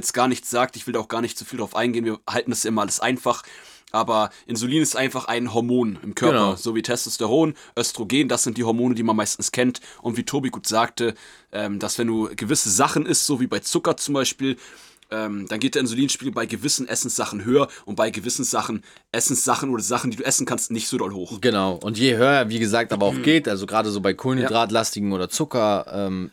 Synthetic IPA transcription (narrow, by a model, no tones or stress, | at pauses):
ɛt͡stɡ̥aːɐnɪçtt͡sz̥aːk̚tɪçv̥ɪldaʊxɡ̥aːɐnɪçtz̥ofiːldaʁaʊfʔaɪnɡeːənviːɐhaltn̩dasjaʔɪmɐʔaləsʔa̰ɪnfaχ | ʔaːbɐʔɪnzʊliːnɪstʔaɪnfaχʔa̰ɪnɦɔɐmoːnɪmkʰœɐɐpɐz̥oːviːtʰɛstostɛʁoːnʔœstʁ̥oɡeːnd̥asz̥ɪnt̚d̥iːhɔɐmoːnədiːmanmaɪstn̩skʰɛnt | ʔʊntv̥iːtʰoːbiɡuːtz̥aːk̚tʰə | ʔɛːmd̥asv̥ɛnduːɡ̥əvɪsəzaχn̩ɪstz̥oːviːbaɪt͡sʊkɐt͡sʊmbaɪʃpiːl | ʔɛːmd̥anɡeːtd̥ɛɐɪnzʊliːnʃpiːɡl̩əbaɪɡəvɪsn̩ʔɛsn̩sz̥aχn̩ɦøːɐʔʊnt̚b̥aɪɡəvɪsn̩zaχn̩ | ʔɛsn̩sz̥aχn̩ʔoːɾɐzaχn̩diːduːʔɛsn̩kʰanstnɪçtz̥oːdɔlhoːxɡ̥ənaʊʔʊntjeːɦøːɐviːɡəzaːk̚tʔaːbɐaʊxɡ̥eːtʔalzoɡʁaːdəzoːbaɪkʰoːlndʁaːtlastɪɡŋ̩oːdɐt͡sʊkɐʔɛːm